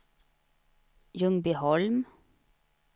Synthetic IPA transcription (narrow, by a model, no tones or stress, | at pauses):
jɵŋbihɔlm